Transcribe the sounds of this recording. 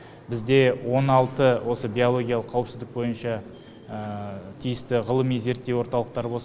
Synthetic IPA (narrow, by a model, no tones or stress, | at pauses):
bɪzd̪e̞wo̞nɑlˠt̪əwʔo̞səbʲiolˠo̞ɡʲijalˠəqʰːɑwəpsɪzd̪ɪk̚bo̞jənʃɑ | ət̪ʰijɪst̪ɪʁəlˠəmijze̞ɾt̪ːewo̞ɾt̪ɑlˠəq̚t̪ɑɾəbo̞lˠs